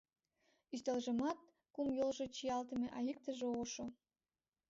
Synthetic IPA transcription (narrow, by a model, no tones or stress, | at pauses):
yst̪elʒə̆mɑt̪̚ | kumjolʒet͡ɕijɑlt̪ə̆meʔɑjik̚t̪əʒeoʃo